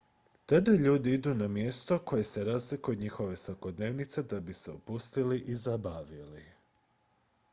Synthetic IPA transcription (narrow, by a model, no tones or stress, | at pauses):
t̪ad̪aʎuːd̪iid̪unamje̞st̪o̞ko̞je̞se̞ɾaːzlikujud̪ɲixo̞ʋe̞sʋako̞d̪ne̞ːʋnit̪se̞d̪abise̞ṵpust̪iliʔizabaʋili